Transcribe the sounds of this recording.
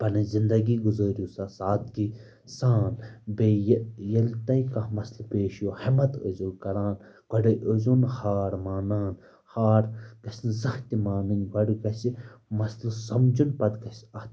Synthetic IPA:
pɐnɨzind̪ɐɡiɡuzɐːɾjuːsasaːt̪ɡi | saːnbeːjjɐlt̪ɐjkɐhmɐslpeːʃjoːhɐmɐt̪ə̰zukɐɾaːn | kɐɖɐʔozunhaːɾmaːnaːn | haːɾkɐsʲnzɐht̪ʲimaːnɨnʲkɐɖɡɐsimɐslsɐmd͡ʒunpɐd̪kɐsɐt̪

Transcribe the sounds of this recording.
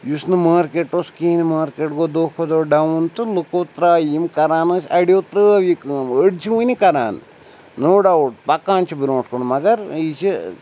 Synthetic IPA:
jusnɨmaːɾkeʈːoːskiːnimaːɾkeʈɡod̪oːkʰod̪oːɖɐwnt̪ɨlukot̪ɾaːjimkɐɾaːnɐːsɐɽjot̪ɾɨɐʋikɨməɽt͡ʃʰiʋunikɐɾa̰ːn | noːɖɐwuʈ̚pɐkːãːnt͡ʃʰibiɾʈkoɳmɐɡɐɾit͡ʃi

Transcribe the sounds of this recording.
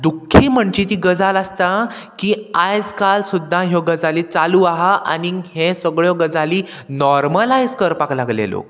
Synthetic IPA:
d̪ukʰːiːm̤əɳt͡ɕiːt̪̬iːɡəd͡zalast̪akiajd͡zkalsud̪ʱːãɦjɔɡəd͡zaliːt͡saluaɦaʔa̰nihẽsəɡɭjɔɡəd͡zaliː | nɔɾməlajd͡zkəɾpaklaɡlḛlo̰

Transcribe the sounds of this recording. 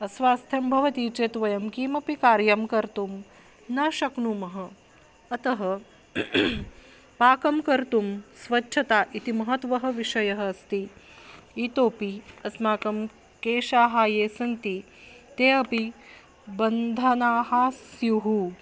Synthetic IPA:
ɐsʋaːst̪ʰjɐmbʱɐʋɐt̪iːt͡ʃeːt̪ʋɐjɐmkiːmɐpikaːɾjɐmkɐɾt̪um | nɐʃɐknuːmɐɦɐ̆ | ɐt̪ɐɦɐ | paːkɐmkɐɾt̪umsʋɐʃʰɐt̪aːʔit̪imɐɦɐt̪ʋɐɦɐ̆ʋiʃɐjɐɦɐ̆st̪i | iːt̪oːpiɐsmaːkɐm | keːʃaːɦaːjeːsɐnt̪i | t̪eːɐpi | bɐnd̪ʱɐnaːɦaːsjuɦu

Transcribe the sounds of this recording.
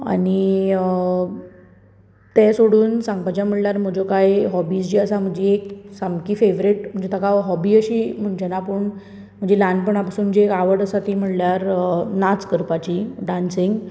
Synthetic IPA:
a̰ni | t̪esoɽuːnsãŋɡpat͡ɕjam̤əʈljaɾm̤əd͡ʑokajɦɔbisd͡ʑiːəsam̤əɳd͡ʑieksamkiːfeʋɾiʈm̤əɳd͡ʑet̪ʰəkaɦɔbiːəɕiːm̤əɳd͡ʑanapəɳ | m̤əɳd͡ʑelanɖpəɳapasuːnm̤əd͡ʑeːkaʋəɽəsat̪im̤əʈljaɾnat͡skəɾpat͡ɕiɖansiŋɡ

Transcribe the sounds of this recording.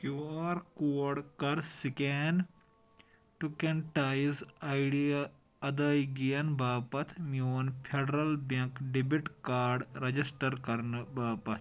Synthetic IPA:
kjuaːɾkuːɐɽkɐɾsikeːn | ʈukenʈaːjzajɖia | ɐd̪aːjɡijɐnbaːpɐt̪ʰmioːnpʰeɖɐɾɐlbɐ̃ŋkɖibiʈkaːɾɖɾɐd͡ʒisʈɐɾkɐɾnɨbaːpɐt̪ʰ

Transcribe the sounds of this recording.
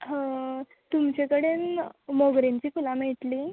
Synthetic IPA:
ɦə | t̪umt͡ɕekəɽenmoɡɾeɲt͡ɕiːkulãmeʈ̪liː

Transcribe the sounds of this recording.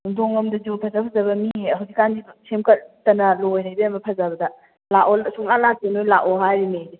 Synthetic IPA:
uŋdʰoŋɐmdɐzupʰɐzapʰɐzɐbɐmiɦɐwzikːandisemkɐɾtɐnɐlojɦajbeɐmɐpʰɐzabɐdɐ | laolsuŋlalak̚tenojlaʔɔɦajɾimejde

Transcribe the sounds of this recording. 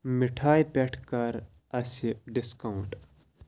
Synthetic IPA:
miʈʰaːjpʲeʈʰkɐɾ | ɐsiɖiskɐuɳʈ

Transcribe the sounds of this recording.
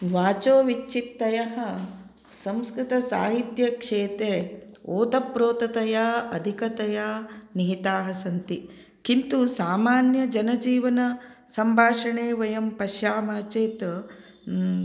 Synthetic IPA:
ʋaːt͡ʃoːʋit͡ʃt͡ʃːit̪ːɐjɐɦɐ̆ | sɐmskɾut̪ɐsaːɦit̪jɐkʂeːt̪eːoːt̪ɐpɾoːt̪ɐt̪ɐjaːɐd̪ʱikɐt̪ɐjaːniɦit̪aːɦɐsɐnt̪i | kint̪usaːmaːnjɐd͡ʒɐnɐd͡ʒiːʋɐnɐsɐmbʱaːʂɐɳeːʋɐjɐmpɐʃjaːmaːt͡ʃeːt̪

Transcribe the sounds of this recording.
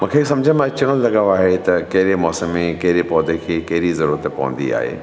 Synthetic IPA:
mɐ̃ːkʰesɐ̃md͡ʑʱə̃mãɐt͡ʃəɽ̃õlɐɡaaːɦet̪ɐkɐɦɪɾemɔːsəmẽkɐɦɪɾepɔːd̪ekʰekɐɦɪɾizɐɾuɾət̪pɐ̰ʋə̰̃nd̪ḭa̰ːɦḛː

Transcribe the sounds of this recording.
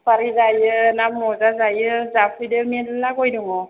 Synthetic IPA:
paɾizajɯnamɔzazajɯzapʰujdɯmiɛdlakojduŋɔ

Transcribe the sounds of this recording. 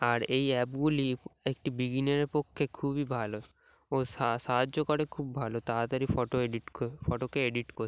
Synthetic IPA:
aɾejɛpɡuliek̚ʈibiɡineɾepokʰːekʰubibʱalo | ossaɦadd͡ʒokɔɽekʰubbʱalot̪aat̪aɾifɔʈoeɖiʈfɔʈokeeɖiʈkɔɾ

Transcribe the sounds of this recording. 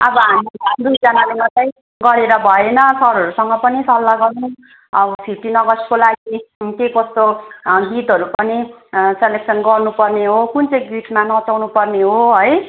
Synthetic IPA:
ʌbʌɦamid̪ujd͡zanalemʌt̪ʌj̃ | ɡʌɾeɾʌbʱʌenʌsʌɾɦʌɾusʌŋɡʌpʌnisʌlːaɡʌrnu | ʌʌpʰiʈinʌɡʌskolaɡikekʌst̪oɡit̪ɦʌɾupʌniselek̚sʰʌnɡʌrnupʌrneɦokunt͡sʌ̃j̃ɡiʈʰmanʌt͡sawnupʌrneɦoɦʌj

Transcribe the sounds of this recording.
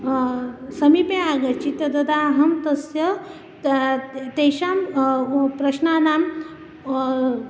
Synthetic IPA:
sɐmipeaɡɐt͡ɕit̪ɐt̪ɐd̪aɦɐmt̪ɐsjə | t̪eɕam | pɾɐɕnanam

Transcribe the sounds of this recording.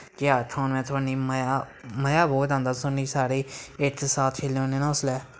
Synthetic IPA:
kɪaːt̪ʰaːnmɛ̃ːt̪ʰʊaːniːmjaːməjaːbɔːt̪ãːnd̪aːt̪ʊniːsaːɾeːɪt̪ʰsaːt̪ʰt͡ʃʰelõːneːnãʊslɛː

